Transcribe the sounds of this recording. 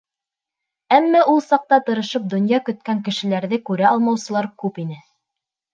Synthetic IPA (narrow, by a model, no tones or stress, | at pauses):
æmːæʔulˠsɑq̚t̪ɑt̪ɤ̆ɾɤ̆ʃɤp̚d̪ŏnjɑkɵ̆t̪̚kæŋkɘ̆ʃɘ̆læɾðɘkʉɾæɑlˠmɑwsɤ̆lˠɑɾkʉpin̪ɘ